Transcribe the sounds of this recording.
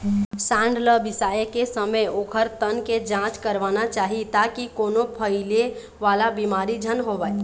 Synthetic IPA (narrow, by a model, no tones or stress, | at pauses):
sãːɳɖləbɪsaːjəkesəməjoːkʰəɾt̪ənked͡ʒãːt͡ʃkəɾʋaːnat͡ʃaːɦit̪akikoːnopʰəɪle | ʋaːlabiːmaːɾid͡ʒʱənɦoʋaːe